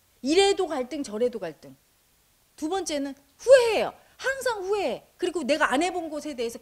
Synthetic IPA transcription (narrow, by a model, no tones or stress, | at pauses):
iɾe̞doɡaɭt͈ɯŋt͡ɕʌɾe̞doɡaɭt͈ɯŋ | tubʌnt͡ɕ͈e̞nɯn | ɸueejo̰ | haŋsʰaŋɸuekɯɾiɡone̞ɡaanɦe̞bonɡosʰe̞de̞esʰʌ